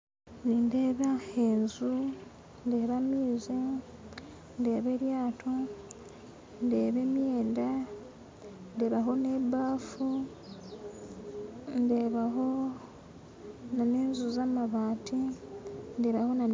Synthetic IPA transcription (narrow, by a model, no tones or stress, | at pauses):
nindeːβaenzu | nde̞βamiːze | nde̞ːβe̞ɾjaːtʰo | ndeːβe̞mje̞ːnda | nde̞ːβaɦo̞ne̞baːfu | nde̞ːβaɦo | naneːnzuzamaβaːti | nde̞ːβaho̞na